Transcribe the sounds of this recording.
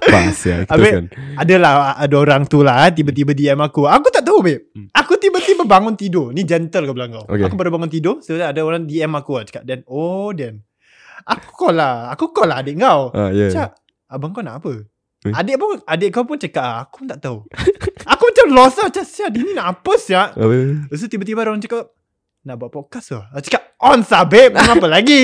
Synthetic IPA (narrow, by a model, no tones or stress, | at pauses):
a̰sa̰kabenadəlahadəoɾaŋt̪ulat̪̬ibət̪̬ibədiɛmakuakut̪aʔt̪aɦubɛakut̪ibət̪ibəbaŋʊnt̪idʊnid͡ʒɛnt̪əlkabəlaŋɡawo̰kakubəɾbaŋʊnt̪̬idʊsəbt̪adəoɾaŋdiɛmakuat͡ʃə̥kaʔ̚dɛnodɛn | aku̥kolaakukɔlaadɪʔŋkawa̰jət͡ʃaʔ | abaŋkawnaʔapə | adeʔpʊnadɪʔ̚kawpʊnt͡ʃəkaʔ̚ːku̥pnt̪aʔt̪auakumat͡ʃamlɔsat͡ʃaʔsaʔdininaʔapəsaʔəs̬ut̪ibət̪̬ibaɾɾaŋt͡ʃəkaʔ̚ | naʔbuaʔpɔkasat͡ʃə̥kap̚ɔnsabeʔ̚mat͡ʃamapəlaɡi